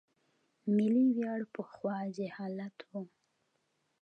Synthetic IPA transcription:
miliwjɑɽpəxwɑd͡ʒehɑlat̪ʰwu

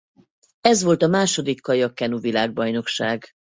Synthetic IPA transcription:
ɛzʋo̞lt̪ɒmaːʃo̞d̪ikːɒjɒkːɛnuvilaːɡ̚bɒjno̞kʃaːɡ

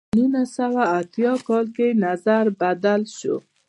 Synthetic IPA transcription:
ninasawaːt̪jɑkɔlkenazaɾbad̪alʃo̰

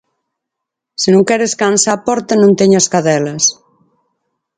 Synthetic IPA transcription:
senõŋkɛɾeskansapɔɾt̪anõnt̪eɲaskaðɛlɐs

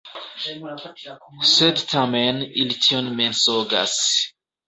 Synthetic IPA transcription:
sed̪tʰamɛnilitʰionmensoɡa̰s

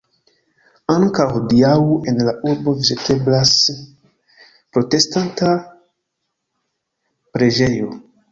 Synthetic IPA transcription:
aŋkawdiawuʔe̞nlaʔuɾbo̞vizetʰe̞blas | pɾo̞te̞stanta | pɾe̞d͡ʒe̞jo̞

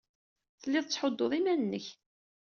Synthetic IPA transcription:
θəlːiɪðˤt͡sːħod̪ːoðˤimænənːəç

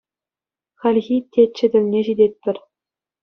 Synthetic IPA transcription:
χɑlʲɣʲitʲet͡ɕɘ̆dʲɘ̆lʲnʲeʑidʲet̚ʲpʲɘ̆rʲ

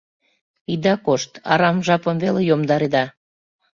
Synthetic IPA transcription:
id̪ɑkoʃt̪ɑ̰ɾɑmʒɑpəmvelejomd̪ɑɾed̪ɑ

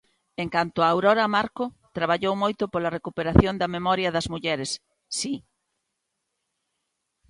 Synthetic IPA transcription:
eŋkant̪ʊaːwɾɔɾɐmaɾkʊ | t̪ɾaβaʎowmojt̪ʊpolɐrekupeɾaθjond̪ɐmemɔɾjɐðɐzmuʎɛɾesː | i

